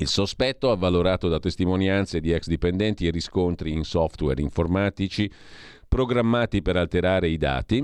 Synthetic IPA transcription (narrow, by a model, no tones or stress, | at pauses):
ilsospɛt̪ːoavːaloɾaːt̪od̪at̪ːest̪imonjant̪sed̪iɛksd̪ipend̪ɛnt̪ieriskont̪ɾiːnsɔft̪wɛ̰ɾiɱformaːt̪it͡ʃi | pɾoɡɾamːaːt̪ipeɾalt̪eɾaːɾeid̪a̰ːt̪i